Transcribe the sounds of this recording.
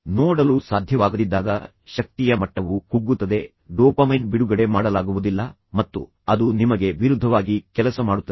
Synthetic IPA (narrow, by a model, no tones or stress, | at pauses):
nɔːɽɐlusaːd̪ʱjɐʋaːɡud̪id̪ːaːɡɐ | ʃɐk̚t̪ijɐmɐʈːɐʋukuɡːut̪ːɐd̪e̞ | ɖɔːpɐmɐjnbiɽuɡɐɽe̞maːɽɐlaːɡuʋud̪ilːɐ | mɐt̪ːṵ | ɐd̪unimɐɡe̞ʋiɾud̪ʱːɐʋaːɡikɛlɐsɐmaːɽut̪ːɐ